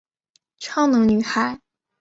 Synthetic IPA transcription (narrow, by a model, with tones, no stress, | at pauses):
ʈ͡ʂʰɑ˥ŋnɤ˧˥ŋny˨˩xa˨˩˦ɪ